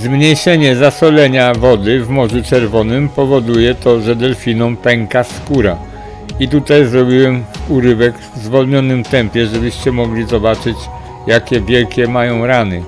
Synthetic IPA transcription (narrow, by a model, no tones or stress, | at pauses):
zmɲejʂɛɲɛzasɔlɛɲavɔd̪ɘvmɔʐut͡ʂɛɾvɔnɘmpɔvɔd̪ujɛt̪ɔʐɛd̪ɛlfʲinɔ̃w̃pɛŋkaskuɾa | it̪ut̪ajzɾɔbʲiwɛmuɾɘvɛɡvzvɔlɲɔnɘmt̪ɛmpʲjɛʐɛbɘɕt͡ɕɛmɔɡlʲizɔbat͡ʂɘt͡ɕ | jakʲɛvʲjɛlkʲɛmajɔ̃w̃ɾanɘ